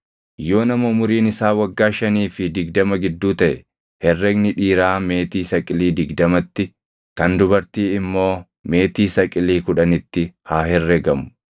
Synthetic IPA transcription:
jo̞ːnɐmɐmʊɾiːnɪsaːwɐɡːaːʃɐniːfɪd̪ɪɡd̪ɐmɐɡɪd̪ːuːt̪ɐʔɛ | hɛrːɛɡnɪᶑiːɾaːme̞ːt̪iːsɐkʼɪliːd̪ɪɡd̪ɐmɐt̪ːɪ | kɐnd̪ʊbɐɾt̪iːɪmːo̞ː | me̞ːt̪iːsɐkʼɪliːkʊᶑɐnɪt̪ːɪhaːɦɛrːɛɡɐmʊ̥

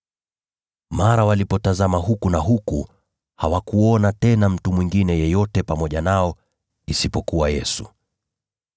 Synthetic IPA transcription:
maɾawalipɔtazamaɦukunaɦuku | ha̰wakuɔnatɛnam̩tumwiŋɡinɛjɛjɔtɛpamɔʄanaɔ | isipɔkuwajɛsu

